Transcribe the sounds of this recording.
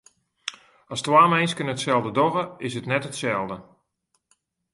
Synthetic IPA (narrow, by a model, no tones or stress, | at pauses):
astwaːmɛjnskənəətsɛlˠdədɔɣəɪsətnɛtətsɛlˠdə